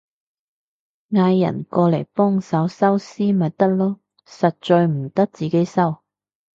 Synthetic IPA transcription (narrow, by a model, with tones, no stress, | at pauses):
ŋaː˧jːɐ̰˨˩nkɔː˧le˨˩jpɔː˥ŋsɐ˨˥wsɐ˥wsiː˥mɐ˨t̚t̪ɐ˥k̚lɔː˥ | sɐ˨t̚t͡ʃɔː˧jm̩˨˩t̪ɐ˥k̚t͡siː˨˥ke˨˥jsɐ˥w